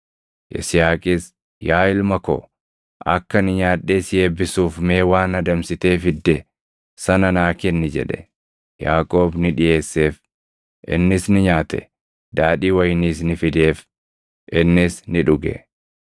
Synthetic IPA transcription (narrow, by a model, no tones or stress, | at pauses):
ʔɪ̰sɪjaːkʼɪs | jaːɪlmɐko̰ː | ʔɐ̰kːɐnɪɲaːᶑːeːsje̞ːbːɪsuːfme̞ːwaːnɐd̪ɐmsɪt̪e̞ːfɪd̪ːɛ | sɐnɐnaːkɪnːɪd͡ʒɛ̰ᶑɛ̰ | jaːkʼo̞ːbnɪᶑɪʔe̞ːsːe̞ːf | ʔɪ̰nːɪsnɪɲaːt̪ɛ̰ | d̪aːᶑiːwɐjniːsnɪfɪd̪e̞ːf | ʔɪnːɪsnɪᶑʊɡɛ̰